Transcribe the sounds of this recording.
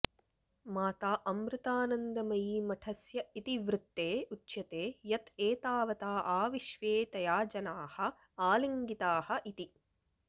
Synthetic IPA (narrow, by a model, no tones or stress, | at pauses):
maːt̪aːʔɐmɾɪt̪aːnɐnd̪ɐmɐjiːmɐʈʰɐsjɐit̪iʋɾɪt̪ːeːutːʃjɐt̪eːjɐt̪eːt̪aːʋɐt̪aːʔaːʋiʃʋeːt̪ɐjaːd͡ʒɐnaːhɐ̆ | aːlɐŋɡit̪aːhɐ̆ʔit̪i